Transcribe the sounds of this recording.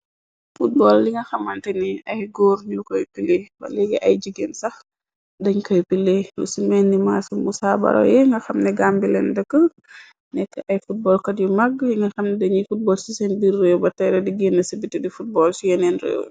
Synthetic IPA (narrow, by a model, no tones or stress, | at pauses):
fut̚bɔlːiŋɡɐxɐmɐntɛniɐjɡɔɾɲukɔjpilebɐ̰lɛɡɛʔɐjd͡ʒiɡɛnsɐx | dɐɲkɔjpilelusimɛnːimaːsumusabɐ̰ɾɔ̰jɛŋɡɐxɐmnɛɡambilɛ̰ndəkːə | nɛkːəʔɐjfut̚bɔːlkɐdjumaɡliŋɡɐxɐmnɛdɐɲifut̚bɔːlsisɛnbirːewbɐtɛɾɛdiɡenːɐsibitːidifut̚bɔːlsijɛnɛnɾḛw